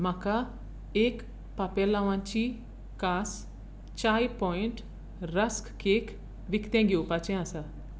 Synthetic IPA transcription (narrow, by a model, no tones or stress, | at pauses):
maka | ek | papelaʋãɲt͡ɕi | kaːs | t͡ɕajpɔiɳʈ | ɾəskkek | ʋikt̪ẽŋɡiupat͡ɕẽasa